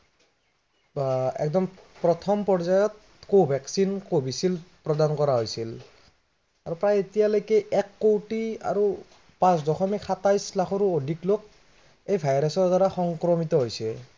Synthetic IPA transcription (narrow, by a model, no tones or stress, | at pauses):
ɛ̰k̚dɔmpɹɔt̪ʰɔmpɔɹzajɔt̪̚ | kobʱɛksinkobisilpɹɔdankɔɹaɦojsil | aɹupɹajetijalojkɛʔɛkːoʈia̰ɹu | pãsdɔxʰɔmikxat̪ajslakʰɔɾuodʱiklok̚ | ejbʱajɹasɔɹdaɹaxɔŋkɾɔmit̪ɔɦojsɛ